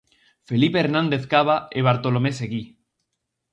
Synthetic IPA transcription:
felipeeɾnãnd̪eθkaβaeβ̞aɾt̪olomeseɣi

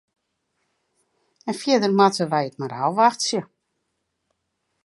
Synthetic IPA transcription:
ənfjɪədərmatəʋajətmaɾawʋaxtsjə

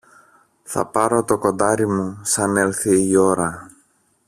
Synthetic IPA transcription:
θɐ̰pɐɾo̞t̪o̞ko̞nd̪ɐɾimusɐne̞lθiio̞ɾɐ

